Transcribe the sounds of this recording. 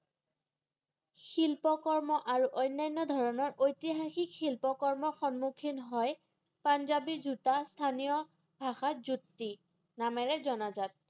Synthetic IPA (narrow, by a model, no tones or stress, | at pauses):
xilpɔkɔɹmɔʔaɹuʔɔjnːajnːɔdʱɔɹɔnɔɹʔojtiɦaxikxilpɔkɔɹmɔɹxɔnmukʰinɦɔj | panzabizutastʰanijɔ | bʱaxazutːi | namɛɹɛzɔnazat̚